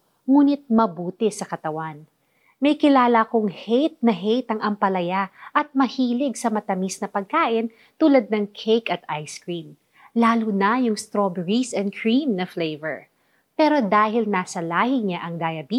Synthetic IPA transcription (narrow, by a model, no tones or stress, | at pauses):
ŋuːnɪt̪̚mɐbuːt̪ɛsɐkɐt̪ɐwan | mɐjkɪlaːlɐkʊŋhejt̪̚nɐɦejt̪ɐŋʔɐmpɐlɐjaʔɐt̪̚mɐhiːlɪɡ̚sɐmɐt̪ɐmisnɐpɐɡ̚kaːʔɪn | t̪uːlɐd̪̚nɐŋkʰejkɐt̪ʔajskɹim | laːlunɐjʊŋst̪ɾobɛɹisɛn̚kʰɹimnɐflejvɛ̰ɹ | pɛːɾo̞d̪aːɦɪlnaːsɐlaːhɪɲaʔɐŋd̪ajɐbi